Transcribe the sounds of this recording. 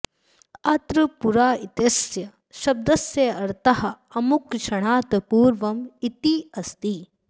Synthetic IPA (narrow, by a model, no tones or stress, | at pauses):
ɐt̪ɾɐpuɾaːit̪ɐsjɐ | ʃɐb̚d̪ɐsjɐɐɾt̪ɐɦɐ̆ | ɐmukʃɐɳ̃aːt̪ɐpuːɾʋɐmit̪iɐst̪i